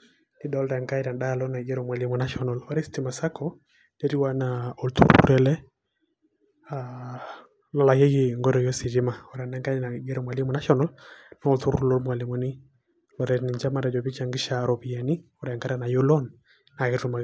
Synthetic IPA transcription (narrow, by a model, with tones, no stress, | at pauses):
di˦dɔ˨˦lɾa˨ŋka˦iɾa˨nɗa˦˨lɔ˦na˨ɡɛ˦ɾɔ˨mwa˨li˦mu˨na˦ʃɔnɔ˨lɔ˦ɾɛ˦sti˨ma˨sa˦kʰɔ˦ | dɛ˦ɾi˦wa˦naɔ˨lt̪ṵ˦ɾṵɾɛ˨lɛ˦ | a | lɔ˨la˨ke˦ɣi˨ŋɡɔ˦ɾɔ˨jo˦si˨ɾi˦ma˨ɔ˨ɾa˨na˦ŋka˦na˨ɡɛ˦ɾɔ˦mwa˨li˦mu˦na˦ʃɔnɔ˦ln˦ɔ˨lt̪u˦ɾuɾu˦lɔ˦lmwa˨li˨mu˨ni˦ | lɔ˨ɾɛni˨ɲd͡ʒa˦ma˨ɾa˨d͡ʒɔ˨βi˦t͡ʃa˨ŋɡɪ˦ʃaɾɔ˨pi˨ja˨ni˦ɔɾa˨ŋɡa˦ɾa˦na˨jo˦lɔ˦n | na˨kɛ˦tuma˨